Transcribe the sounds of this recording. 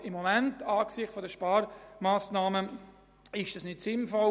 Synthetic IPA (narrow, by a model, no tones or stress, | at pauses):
ɪmːomɛntɑːksɪχtfɔdəʃpɑːɾmaːsnɑːmə | ɪʃd̥ɑsnɪtsɪnfɔ